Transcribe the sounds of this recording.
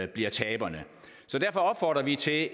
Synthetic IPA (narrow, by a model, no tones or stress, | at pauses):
b̥liɐt͡sʰɛːb̥ɐnə | sɒ̽d̥æɐfɒ̽ɒ̽b̥fɒːd̥ʁɐʋit͡sʰe̝